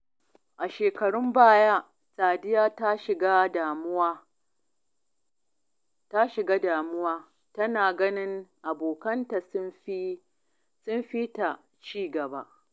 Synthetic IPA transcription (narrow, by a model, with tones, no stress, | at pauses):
ʔa˨ʃeː˨kɐ˨ɽʊ˦mbaː˦jaː˦ | saː˨dɪ˦jaː˦ta˦ʃɪ˨ɡa˦da˨m˦a˦ | ta˦ʃɪ˨ɡaː˦daː˨mʊ˦waː˦ | tɐ˦naː˨ɡɐ˦nɪ˦ŋʔa˨boː˨kɐ˦nta˨si˦ | sʊ˦mɸi˦ta˨ | t͡ʃiː˦ɡɐ˨ba˦ʔ